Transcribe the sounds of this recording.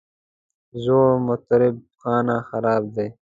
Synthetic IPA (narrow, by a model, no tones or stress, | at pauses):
zoːɾmʊt̪ɾɪb̚xɑːnãːxɐɾaːb̚d̪eː